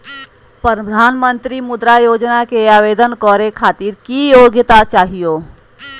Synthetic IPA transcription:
pɾəd̪ʱanmənt̪ɾimud̪ɾajod͡ʒnakeaʋed̪ənkɔɾekʰat̪iɾkijoɡjət̪at͡ʃaɦijo

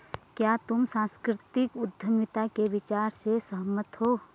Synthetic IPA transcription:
kjaːt̪ʊmsãːskɾɪt̪ɪkʊd̪ʱːəmɪt̪akeʋɪt͡ʃaːɾsesəɦmət̪ɦoː

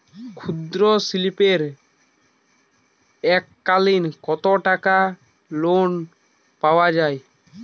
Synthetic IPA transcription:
kʰud̪ɾosilipeɾ | ɛkːalinkɔt̪oʈaka | lon | pawad͡ʑaj

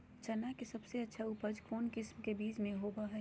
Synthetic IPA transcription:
t͡ʃɐnakesɐbseɐtːʃʰaʊpəd͡ʒkoːnkɪsmkebiːd͡ʒmẽɦoːbaɦɛː

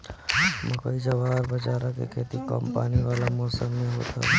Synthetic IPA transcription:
məkəid͡ʒəʋaːɾbəd͡ʒaːɾakḛkʰeːt̪ikə̰mpaːniʋaːlamɔːsəmːẽɦo̰ːt̪ʰa̰ɦɛ

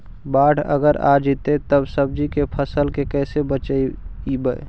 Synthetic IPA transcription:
baɽə̰ɡəɾa̰d͡ʒit̪et̪əbsəb̚d͡ʒikepʰəsəlkekɛːsebət͡ʃəiibə

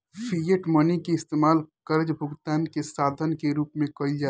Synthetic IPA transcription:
pʰijeʈmənikeɪst̪eːmaːlkəɾd͡ʒbʱʊɡt̪aːnkesaːd̪ʱənkeɾuːpmẽkɐild͡ʒaː

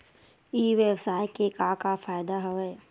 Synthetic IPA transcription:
iːʋebsaːjkekakafaːjd̪aɦɐʋɛ

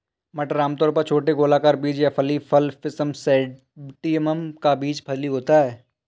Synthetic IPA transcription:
mɐʈɾaːmt̪ɔːɾpɐɾt͡ʃʰoːʈeɡoːlakaːɾbiːd͡ʒjapʰɐlipʰɐlfɪsəmsɛː | ʈiəməmkabiːd͡ʒpʰɐdliɦoːt̪aɦɛː

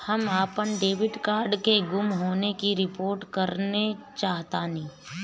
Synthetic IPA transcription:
hɐmaːpənɖeːʋɪɖkaːɾɖkeɡʊmɦoːnekiɾɪpoːɾʈkɐɾnet͡ʃaːɦt̪aːnĩː

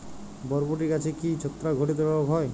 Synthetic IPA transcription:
bɔɾboʈ̬ikat͡ʃʰikit͡ʃʰot̪ːɾaɡʱoʈit̪̬ɔɾɔɔkɦɔj

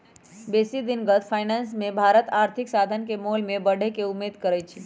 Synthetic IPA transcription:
besid̪inɡət̪ʰpʰaɪnansmẽbʱaɾət̪aɾt̪ʰiksad̪ʱənkemolmẽbəɽ̤ʱekeumːed̪kəɾɛt͡ʃʰi

